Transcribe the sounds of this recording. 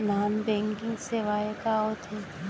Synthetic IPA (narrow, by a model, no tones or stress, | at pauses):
naːmbɛ̃ːŋkɪ̃ŋɡseʋaːekaot̪ʰe